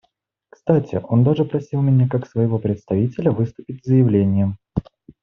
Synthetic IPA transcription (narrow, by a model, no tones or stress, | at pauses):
kst̪atʲɪ̰ʔo̞nd̪aʐɨpɾɐsʲilˠmʲɪnʲakaksvəjɪvo̞pɾʲɪt̪st̪ɐvʲitʲɪlʲəvɨst̪ʊpʲɪtʲzəjɪvlʲenʲɪjəm